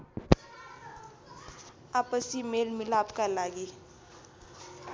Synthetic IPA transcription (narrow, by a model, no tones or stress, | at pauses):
aːpəsimeːlmɪlaːpkalaːɡiː